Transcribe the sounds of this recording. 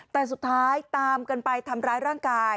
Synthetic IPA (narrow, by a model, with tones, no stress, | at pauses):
t̪ɛː˨˩s̬u˨˩t̪ʰːaː˦˥jt̪aː˧mkɤː˧npa˧jt̪ʰa˧mɾaː˦˥jɾaː˥˩ŋkaː˧j